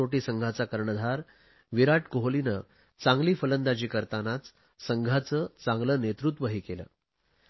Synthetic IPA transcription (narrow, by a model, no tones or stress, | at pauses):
oʈiːsəŋɡʱat͡sakəɾɳəd̪ʱaɾ | ʋiɾaʈkoɦlinə | t͡sãŋɡliːfələnd̪ad͡ʑiːkəɾt̪anat͡s | səŋɡʱat͡səːt͡sãŋɡlənet̪ɾut̪ʋəɦiːkelə̰ː